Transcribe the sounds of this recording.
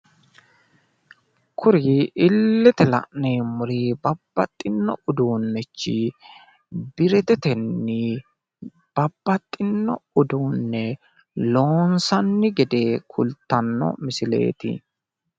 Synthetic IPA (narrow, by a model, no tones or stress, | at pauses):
kʰʊɾiɪlːɛt̪ɛlɐ̰ʔneːmʊɾiːbɐbːɐt̪ʼːɪnːɔʊd̪uːnːɛt͡ʃːɪ | bɪɾɛt̪ɛt̪ɛnːɪ | b̥ɐbːɐt̪ʼːɪnːɔʊd̪uːnːɛ | lo̞ːnsɐnːɪɡɛd̪e̞ːkʰʊlt̪ːɐnːɔ̰mɪsɪle̞̰ːt̪ɪ̰